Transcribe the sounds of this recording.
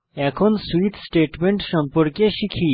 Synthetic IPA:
ɛkʰonsuit̪ʰsʈeʈmeɳʈʃɔmpɔɾkeʃikʰi

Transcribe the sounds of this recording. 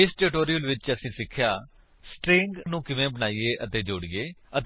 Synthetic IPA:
ɪsʈeːʈoːɾijəlʋɪt͡ʃəsĩːsɪkʰːjaː | sʈɾɪŋɡnũːkɪʋẽːbənaːiːeːʔət̪eːd͡ʒoːɽiːeːət̪

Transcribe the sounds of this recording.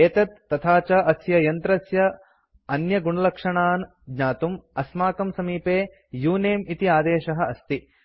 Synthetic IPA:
eːt̪ɐt̪ːɐt̪ʰaːt͡ʃɐʔɐsjɐjɐnt̪ɾɐsjɐ | ɐnjɐɡuɳɐlɐkʂɐɳaːn | dɲaːt̪umɐsmaːkɐmsɐmiːpeː | juːneːmit̪iaːd̪eːʃɐɦɐ̆ɐst̪i

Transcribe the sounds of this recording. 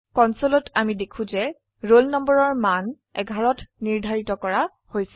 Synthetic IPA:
kɔnsolɔtamidekʰũzɛ | ɹolnɔmbɔɹɔɹman | ɛ̰ɡʱaɹɔtniɹdʱaɹitɔkɔɹa | hojs

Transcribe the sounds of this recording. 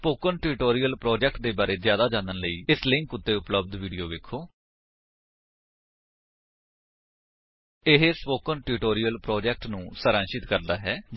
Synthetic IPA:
spoːkənʈɪːɾʈoːɾijəlpɾɔːd͡ʒɛːk̚ʈ̚d̪eːbaːɾeːzjaːd̪aːd͡ʒãːnd̪ənləiːɪslɪ̃ŋkʊt̪ːeːʊpləb̚d̪ʋiːɖijoːʋeːkʰoː | ɪɦespoːkənʈɪʈoːɾijəlpɾɔːd͡ʒɛːk̚ʈnũːsəɾãːʃɪt̪kəɾd̪aːɦɛːd͡ʒ

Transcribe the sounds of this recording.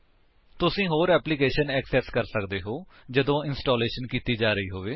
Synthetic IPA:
t̪ʊsĩːɦoːɾɛːplikeːʃənɛːksɛːskəɾsəkd̪eːɦoːd͡ʒəd̪õːɪnsʈoːleːʃənkiːt̪iːd͡ʒaːɾəiːɦoːʋeː

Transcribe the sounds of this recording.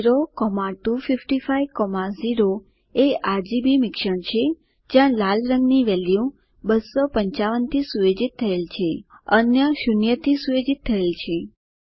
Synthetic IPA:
ɾokɔmaʈufifʈifaiʋkɔmaziɾo | eaɾd͡ʒibimɪkʃəɳ̃t͡ʃʰe | d͡ʒjãlalɾəŋɡniʋɛljũ | bəsopəɲt͡ʃaʋənt̪ʰisujed͡ʒit̪ʰːəelt͡ʃʰeənjəʃunjət̪ʰisujed͡ʒit̪ʰːəelt͡ʃʰe

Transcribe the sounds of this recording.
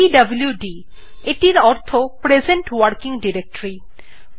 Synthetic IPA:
iɖɐbljuɖi | eʈiɾɔɾt̪ʰopɾed͡ʑeɳʈwɐɾkiŋɖiɾek̚ʈoɾi

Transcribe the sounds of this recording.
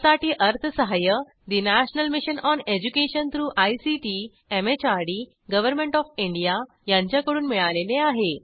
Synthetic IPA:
saʈiːʔəɾt̪ʰəsəɦajə | d̪inaɕnəlmiɕənɔned͡ʑukeɕənt̪ɾuːʔajsiʈi | emet͡ɕaɾɽiː | ɡəʋəɾmẽɳʈɔfiɳɖija | jãɲt͡ɕjakəɽuːnmiɭaleleaɦe

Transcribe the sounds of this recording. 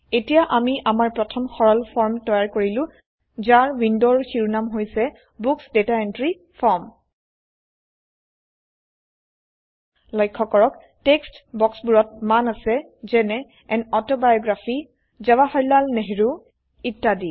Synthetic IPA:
etijaʔamiʔamaɹpɹɔtʰɔmxɔɹɔlpʰɔɹmtɔjaɹkoɹilʊ̃ | zaɹwindoɹxiɹunamɦojsɛ | buksdetaentɹi | pʰɔɹm | lɔjkʰːɔkɔɹɔk | tekstbɔksbuɹɔt̚manasɛ | zɛnɛ | ɛnɔtɔbajɔɡɹafi | zɛwahɔɹlalneɦiɹu | itːadi

